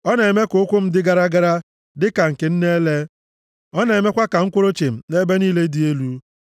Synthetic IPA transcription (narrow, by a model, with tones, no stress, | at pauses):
ɔ˦ne˨me˦ko˨˦kʷʊ˦m̩˦dɪ˦ɡa˦ɾa˦ɡa˦ɾa˦ | dɪ˦ka˨ŋ̩˨ke˨n̩˦ne˦le˦ | ɔ˦ne˨me˦kʷa˦ka˨ŋ̩˦kʷʊ˦ɾo˦t͡ʃe˨m̩˨ne˦be˦niː˦le˦di˨e˦lu˦